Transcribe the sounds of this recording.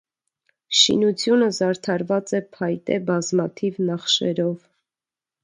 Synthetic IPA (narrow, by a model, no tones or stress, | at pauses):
ʃḭnut͡sʰjunəzɑɾt̪ʰɑɾvɑt͡sɛpʰɑjt̪ɛ̰bɑzmɑt̪ʰivnɑχʃɛ̰ɾɔv